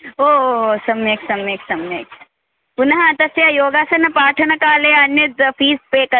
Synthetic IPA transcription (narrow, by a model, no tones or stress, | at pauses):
oːosɐmeːksɐmeːksɐmeːk | pʊnɐɦãt̪ɐsjajoːɡaːsɐnɐpaːʈʰɐnɐkaːleɐnjɐt̪pʰiːspekɐ